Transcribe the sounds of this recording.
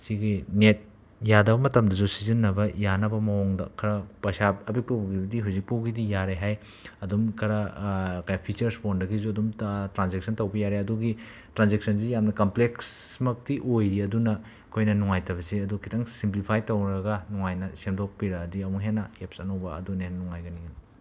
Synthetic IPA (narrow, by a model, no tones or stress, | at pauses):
siɡinet̚ | jadɐbɐmɐtɐmdɐzusizinːɐbɐjanɐbɐmɐoŋdɐ̰kʰɐɾɐpɐsap̚ɐbik̚pɐwbɡibɐdiɦuzik̚pɐwɡidijaɾeɦaj | ɐdumkʰɐɾɐkajpʰit͡ʃɐɾspondɐɡizuɐdumtɾanzeksʰɐntɐwbɐjaɾeɐduɡi | tɾanzek̚sʰɐnsijamnɐkɐmpleksmɐk̚tiʔojɾiɐdunɐ | kʰojnɐnuŋajtɐβɐsiɐdukʰitʰaŋsimplipʰajtɐwɾɐɡɐnuŋajnɐsemdok̚piɾɐːdiɐmuŋɦenːɐepsɐnɐwbɐɐ̰dunennuŋajɡɐniŋɐn